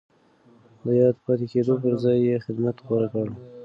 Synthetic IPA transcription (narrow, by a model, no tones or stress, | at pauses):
d̪əjɑd̪pɑt̪eked̪op̬əɾzɑjːexɪd̪mat̪xoɾakaɽ